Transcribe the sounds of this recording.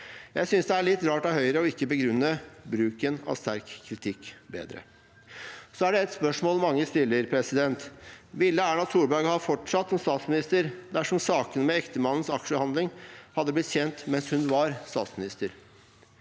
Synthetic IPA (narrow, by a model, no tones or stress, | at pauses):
jæɪsʏnsd̪ɛæɭɪt̪ːɾɑːʈɑʋhœʏɾəɔɪkːəbəɡɾʉnːəbɾʉːkənɑ̰ʋst̪æɾkʰːɾɪt̪ʰɪkːbḛːd̪ɾə̰ | sɔæɖɛɛt̪spœʂmoːlmɑŋːəst̪ɪlːəɾpʰɾɛsɪd̪ɛnt̪ʋɪlːəæːɳɑsuːɾbæɾɡhɑfɔʈʂɑt̪ːsɔmst̪ɑːt̪smɪnɪst̪əɾd̪æʂɔmsɑːkənəmɛɛkt̪əmɑnːn̩sɑkʂəhɑnd̪lɪŋhɑd̪ːəblɪt̪çɛnt̪mɛnshʉnʋɑɾst̪ɑ̰ːt̪smɪnɪst̪əɾ